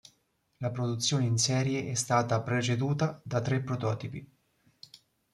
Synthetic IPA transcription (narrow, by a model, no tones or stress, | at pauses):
lapɾod̪ut̪sːjoːneinsɛːɾjeʔɛst̪aːt̪apɾet͡ʃed̪uːt̪ad̪at̪ːɾepːɾot̪ɔːt̪ipi